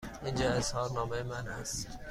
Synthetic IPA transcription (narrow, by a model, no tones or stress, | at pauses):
ind͡ʒɒeshɒːɾnɒːmejemænæst̪